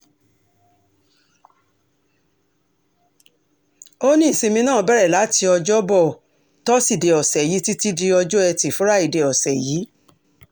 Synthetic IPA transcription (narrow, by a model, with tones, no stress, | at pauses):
o˦nĩ˦i˨si˧mĩ˧nãː˦˨˧bɛ˦˨ɾɛ˦˨la˨˦ti˧ɔ˧d͡ʒɔ˦bɔ˦˨ | tɔ˦si˦˨de˨ɔ˨sɛ˨ji˨˦ti˦ti˦di˧ɔ˧d͡ʒɔ˦ɛ˧ti˨fũ˨˦ɾa˦i˨de˨ɔ˨sɛ˨jiː˨˦